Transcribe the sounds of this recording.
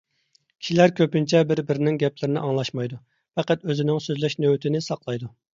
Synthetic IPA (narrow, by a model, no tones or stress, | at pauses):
kʲi̥ʃilæɾkʲʰøpynt͡ʃʰɛbɪɾbɪɾɪnɪŋɡʲɛplɪɾɪnɪʔɑŋlˠɑʃmɑjd̪u | pɛqæt̪øzɪnɪŋsøzlɛʃnøwt̪ʰɪnɪsɑqlˠɑjd̪u